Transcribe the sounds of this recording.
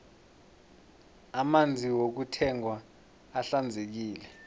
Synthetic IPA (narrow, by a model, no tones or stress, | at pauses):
amand͡zʱiwok̬utʰɛŋwaː | ɬand͡zʱek̬iːlɛ